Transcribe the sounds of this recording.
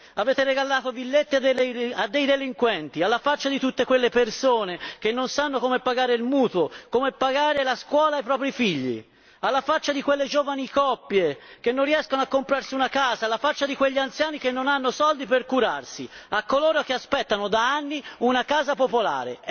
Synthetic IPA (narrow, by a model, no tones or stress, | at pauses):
aveːt̪ereɡalːaːt̪ovilːet̪ːiad̪ad̪ːejd̪eliŋkwɛnt̪ialːafat͡ʃːad̪it̪ut̪ːekwelːepersoːnek̟enːonsanːokoːmepːaɡaːɾeilmuːt̪uokoːmepːaɡaːɾelaskwɔːlaːjpɾɔːpɾifiʎːḭ | alːafat͡ʃːad̪ikwelːed͡ʒoːvanikɔpːjekenːonrːiɛskonoakːompɾarsiunakaːzaːlːafat͡ʃːad̪ikweʎːiant̪sjaːnik̟enːonanːosɔld̪iperkuɾarsiakːoloːɾok̟easpɛt̪ːanod̪aanːiunakaːzapopola̰ːɾḛ